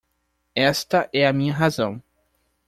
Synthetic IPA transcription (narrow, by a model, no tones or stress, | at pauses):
ɛst̪ɐʔɛɐmĩɲɐɦazɐ̃w̃